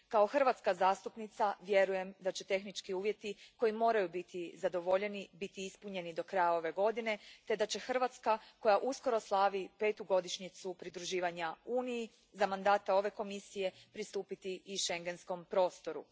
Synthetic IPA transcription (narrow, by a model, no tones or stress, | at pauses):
kao̞xr̩ʋat̪skazaːst̪upnit̪saʋje̞ɾuje̞md̪at͡ɕe̞t̪e̞xnit͡ʃkiuːʋje̞t̪iko̞imo̞ːɾajubit̪ʰizad̪o̞ʋo̞ʎe̞nibit̪iispuɲe̞nid̪o̞kɾajao̞ʋe̞ɡo̞d̪ine̞t̪e̞d̪at͡ɕe̞xr̩ʋat̪skako̞jaʔusko̞ɾo̞slˠaʋipe̞ːt̪uɡo̞d̪iʃɲit̪supɾid̪ɾuʒiːʋaɲauːniji | zamand̪aːt̪ao̞ʋe̞ko̞misije̞pɾist̪uːpit̪iiʃe̞ŋɡe̞nsko̞mpɾo̞ːst̪o̞ɾṵ